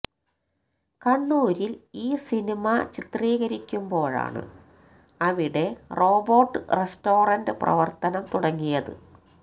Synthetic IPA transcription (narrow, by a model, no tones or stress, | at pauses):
kɐɳːuːɾiliːsinimɐt͡ɕit̪riːɣɐɾikʲːumbo̞ːɻa̰ːɳɨ̰ | ɐʋiɽe̞ro̞ːborʈːɨresto̞ːrɐndɨprɐ̰ʋɐrt̪ɐnɐmt̪uɽɐŋːijɐðɨ̰